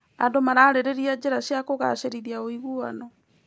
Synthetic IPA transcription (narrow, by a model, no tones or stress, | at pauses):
a̰ndomaɾaːɾeɾeɾiad͡ʒeɾaʃjakoɣa̰ʃeɾiɾiaoiɣuanɔ